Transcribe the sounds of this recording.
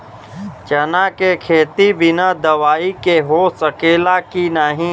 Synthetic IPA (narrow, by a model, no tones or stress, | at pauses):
t͡ʃɐnaːkekʰeːt̪ibɪnad̪ɐʋaːikeɦosəkeːlakinaːɦĩː